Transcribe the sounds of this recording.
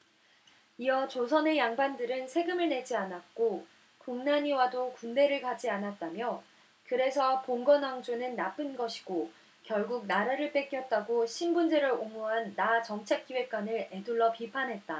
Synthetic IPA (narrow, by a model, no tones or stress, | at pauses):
iʌt͡ɕosʰʌne̞jaŋbandɯɾɯnsʰe̞ɡɯmɯɭne̞d͡ʑianat̚k͈o | kuŋnaɲiwadokunde̞ɾɯɭkad͡ʑianat̚t͈amjʌ | kɯɾe̞sʰʌpoŋɡʌnaŋd͡ʑonɯnːap͈ɯnɡʌɕʰi̥ɡ̥o | kjʌɭɡuk̚naɾaɾɯɭp͈e̞k͈jʌt̚t͈aɡoɕʰinbund͡ʑe̞ɾɯɾoŋmuɦanːat͡ɕʌŋt͡ɕʰe̞k͈ːiwe̞k̚k͈wanɯɭe̞duɭːʌpipʰanɦe̞t̚t͈a